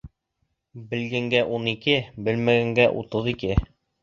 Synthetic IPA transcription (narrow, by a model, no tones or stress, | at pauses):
bɘ̆lɡæŋɡæʔunikɘbɘ̆lmæɡæŋɡæʔṵt̪ɤðikɘ